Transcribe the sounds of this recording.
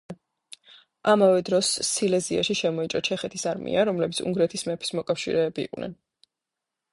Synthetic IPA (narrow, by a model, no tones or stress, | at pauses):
amavɛd̪ɾɔsːilɛzia̰ʃiʃɛmɔit͡ʃʼɾɔt͡ʃʰɛχɛt̪ʰisaɾmḭʔaɾɔmlɛbit̪sʰṵŋɡɾɛt̪ʰismɛpʰi̥smɔkʼafʃḭɾɛːbḭːqʼwnʔɛ̰n